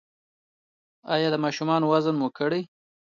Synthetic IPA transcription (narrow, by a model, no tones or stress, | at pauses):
ɑ̰jɑd̪əmɑʃumɑnowazənmukəɽej